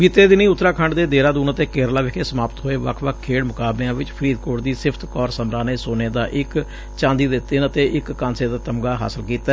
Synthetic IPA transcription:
biːt̪eːd̪ɪniːʊt̪ːɾaːkʰəɳɖd̪eːd̪eːɾãːd̪uːnət̪eːkeːɾlaːʋɪkʰeːsəmaːpət̪ɦoːeːʋə̰kʰʋəkʰkʰːeːɽmʊkaːbleãːʋɪt͡ʃpʰəɾiːd̪koːʈd̪iːsɪpʰt̪kɔːɾsəmɾãːneːsoːneːd̪aːʔɪk | t͡ʃãːnd̪iːd̪et̪ːeːnət̪eːʔɪkːãːnseːd̪aːt̪əmɡaːɦa̰ːsəlkiːt̪aɛ

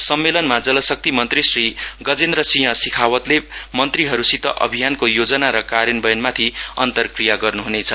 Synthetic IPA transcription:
sʌmːelʌnmad͡zʌlʌsʌk̚t̪imʌnt̪risriɡʌd͡zend̪rʌsiɦʌ̃sikʰawʌt̪lemʌnt̪riɦʌɾusit̪ʌ̰ʔʌ̰bʱijankojod͡zʌnaɾʌkaɾjʌnbʌjʌnmat̪ʰiʌnt̪ʌrkrijaɡʌrnuɦunet͡sʰʌ

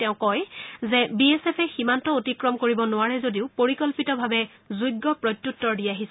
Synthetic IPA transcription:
tɛʊ̃kɔjzɛbiesɛpʰɛximantɔotikɹɔmkoɹibɔnʊwaɹɛzodiʊpoɹikɔlpitɔbʱabɛ | zujɡːɔpɹɔjtːjutːɔɹdiaɦisɛ

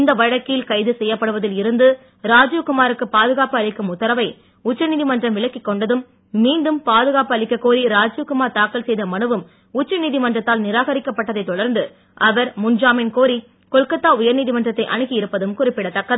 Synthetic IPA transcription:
nd̪ɐʋɐɻɐkːɪlkɐɪðɯsɛjːɐpːɐɽɯʋɐðɪlɪɾɯnd̪ɯ | ɾaːd͡ʒukʊmaːɾɯkːɯpaːðɯɣaːpɯɐɭɪkːɯmʊt̪ːɐɾɐʋɐɪ | ʊt͡ʃːɐniːðɪmɐndrɐmʋɪɭɐkːɪkːɔɳɖɐðɯmː | iːnɖɯmpaːðɯɣaːpɯɐɭɪkːɐkːoːɾiɾaːd͡ʒukʊmaːɾt̪aːkːɐlsɛjðɐmɐɳɯʋɯm | ʊt͡ʃːɐniːðɪmɐndrɐt̪ːaːlnɪɾaːɣɐɾɪkːɐpːɐʈːɐðɐɪt̪ːɔɽɐɾnd̪ɯ | ʔɐʋɐɾmʊɲd͡ʒaːmɪnkoːɾi | kɔɭkɐt̪ːaːʊjɐɾniːðɪmɐndrɐt̪ːɐɪʔɐɳɯkːɪjɪɾɯpːɐðɯmkʊrɪpːɪɽɐt̪ːɐkːɐðɯ

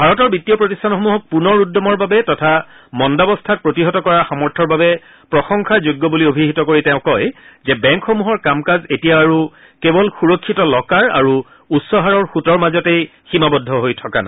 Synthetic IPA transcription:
bʱaɹɔtɔɹbitːijɔpɹotistʰanxomuɦɔk̚punɔɹudːɔmɔɹbabɛtɔtʰa | mɔndabɔstʰat̚pɹotiɦɔtɔkɔɹaxamɔɹtʰɔɹbabɛ | pɹɔxɔŋkʰazuɡːɔbuliobʱiɦitɔkoɹitɛʊ̃kɔjzɛbɛ̃ŋkxomuɦɔɹkamkazetijaːɹu | kebɔlxuɹɔkʰːitɔlɔkaɹa̰ɹu | utsɔɦaɹɔɹxutɔɹmazɔtejximabɔdʱːɔɦojtʰɔkana

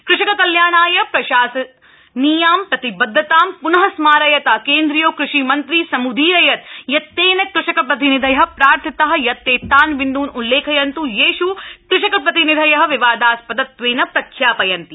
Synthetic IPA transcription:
kɾɪʃɐkɐkɐljaːɳaːjɐpɾɐʃaːsɐ | niːjaːmpɾɐt̪ibɐd̪ʱːɐt̪aːmpunɐɦɐsmaːɾɐjɐt̪ɐkeːnd̪ɾijoːkɾuʃimɐnt̪ɾiːsɐmud̪ʱiːɾɐjɐt̪̚jɐt̪ːeːnɐkɾɪʃɐkɐp̬ɾɐt̪̬inid̪ʱɐjɐɦɐ̆pɾaːɾt̪ʰɐt̪ɐɦɐ̆jɐt̪ːeːt̪ːaːnʋind̪uːnulːeːkʰɐjɐnt̪ujeːʃukɾɪʃɐkɐp̬ɾɐt̪inid̪ʱɐjɐɦɐ̆ʋiʋaːd̪aːspɐd̪ɐt̪ʋeːnɐpɾɐkʰjaːpɐjɐnt̪i

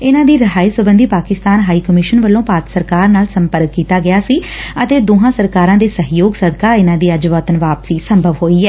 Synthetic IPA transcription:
ɪnãːd̪iːɾəɦaːiːsəbənd̪iːpaːkɪst̪aːnɦaːiːkəmɪʃənʋəlːõːpaːt̪səɾkaːɾnaːlsəmpəɾkːiːt̪aːɡɪaːsiːət̪eːd̪oːɦãːsəɾkaːɾãːd̪eːsəɦjoːɡsəd̪kaːɪnãːd̪iːəd͡ʒʋəːt̪ənʋaːpsiːsəmbʱəʋɦoːiːɛː

